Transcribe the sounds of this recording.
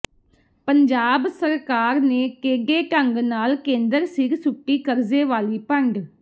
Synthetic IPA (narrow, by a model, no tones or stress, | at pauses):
pəɲd͡ʒaːbsəɾkaːɾneːkeːɡeːʈəŋɡnaːlkẽːnd̪əɾsɪɡsʊʈːiːkəɾzeːʋaːliːpəɳɖ